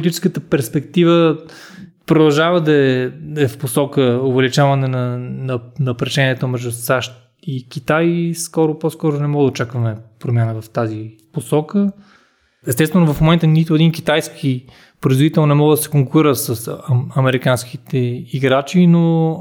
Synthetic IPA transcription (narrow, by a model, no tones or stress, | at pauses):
poit̪it͡ʃɛ̥skət̪əpɛɾspɛkt̪ivə | pɾod̪ɐlˠʒavəd̪ɐɛɛfposɔkəʊvɛlit͡ʃavənɛnɐnɐnɐpɾɛʃɛniɛt̪omɛʒd̪ʊsaʃt̪ | ikʲit̪ajskɔɾʊposkɔɾʊnɛmɔɡəd̪ɐot͡ʃakvɐmɛpɾomʲjanəvɐft̪aziposɔkə | ɛst̪ɛst̪vɛnʊvɐfmomɛnt̪ənit̪ʊɛd̪inkit̪ajskʰi | pɾoizvod̪it̪ɛlˠnonɛmɔɡəd̪ɐsɛ̥koŋkʊɾiɾəsəsɐmɛɾikanskit̪ɛiɡɾat͡ʃino